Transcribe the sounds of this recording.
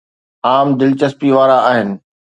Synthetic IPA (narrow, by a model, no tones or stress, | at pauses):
aːmd̪ɪlt͡ɕəspiʋaːɾaaːɦɪnɪ̆